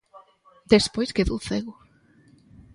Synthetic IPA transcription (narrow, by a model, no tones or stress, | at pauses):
d̪espojskeðoθeɣʊ